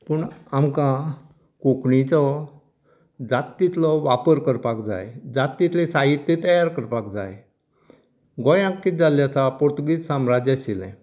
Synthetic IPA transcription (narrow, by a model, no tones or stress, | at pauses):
pəɳamkã | kokɳit͡sɔ | d͡zat̪ːit̪lɔʋapəɾkəɾpakd͡za̰jd͡zat̪ːit̪lĩsaɦit̪ːẽt̪əjaɾkəɾpakd͡za̰j | ɡɔjãkːid͡zalːjasapɔɾt̪uɡiːt͡ssãmɾad͡ʑaɕilɛ̰̃